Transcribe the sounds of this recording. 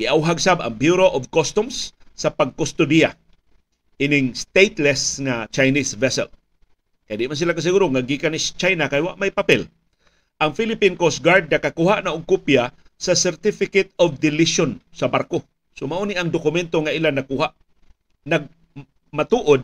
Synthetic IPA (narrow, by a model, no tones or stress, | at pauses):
ɡɪʔawɦaɡsaba̰ŋbjuɾoʔovkost̪ʊmsːɐpaɡ̚kʊst̪ʊd̪ija | ʔɪnɪŋst̪ejt̪lɛsŋat͡ʃajnisvɛsɛ̰l | kajd̪ɪʔmans̬ɪlakas̬ɪɡuːɾoŋaɡikanɪst͡ʃajnakajwaʔmajpapɛl | ʔɐŋfilɪpinkosɡaɾd̪̚nɐkakuhaʔnaʔʊɡ̚kupja | sɐsɛɾt̪ɪfɪkɛt̪ovd̪ɪlɪʃonsɐbarko | somaʔuniʔɐŋd̪ʊkʊmɛnt̪oŋaʔilanɐkuhaʔ | nɐɡ̚ | mat̪uʔʊd̪̚